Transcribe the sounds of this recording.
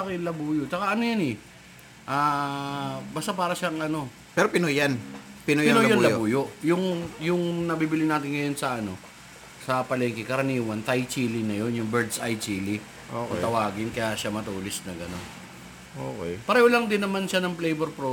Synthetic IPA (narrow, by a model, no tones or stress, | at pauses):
akɪnlɐbuːjot͡ʃɐkaʔɐnojanɛ | ʔaː | baːst̪apaːɾɐʃaŋʔɐno̞ | pɛɾopɪnojanpɪnojɪolɐjɐŋblɐobuːjoʔjʊŋjʊŋnɐbiːbɪlɪnaːt̪ɪnŋɐjo̞nsɐʔɐno̞ | sɐpɐlɛːŋkɪkɐɾɐniːwɐnt̪ɐjt͡ʃiːlɪnɐjo̞njʊŋbɛɹd̪sʔajt͡ʃilɪ | okɐt̪ɐwaːɡɪnkɐjaʔʃamɐt̪oːlɪsnɐɡɐno̞n | ʔoːkɛ̰jpɐɾɛːholɐŋd̪ɪnːɐmanʃanɐŋplejbɛɾpɾo